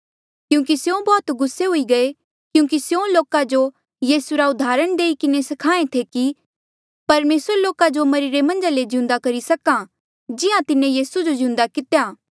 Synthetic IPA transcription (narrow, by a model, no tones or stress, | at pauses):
kjũːkisjõbɔːt̪ɡʊsːeɦʊiɡɐe | kjũːk̬isjõloːkad͡ʒo | jiːsuɾaʊd̪ʱaːɾəɽ̃d̪eːikɪnesɐkʰaːẽt̪ʰeki | pɐɾmeːsəɾloːkad͡ʒomɐɾiɾemɐ̃nd͡ʒaled͡ʒɪ̃ʊ̃nd̪akɐɾisɐkã | d͡ʒɪjãt̪ɪnẽjiːsud͡ʒod͡ʒɪ̃ʊ̃nd̪akɪt̪ejaː